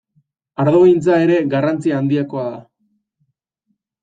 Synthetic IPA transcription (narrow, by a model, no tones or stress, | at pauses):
aɾðoɣjnt͡sae̞ɾe̞ɡarant͡siaːnd̪iako̞aða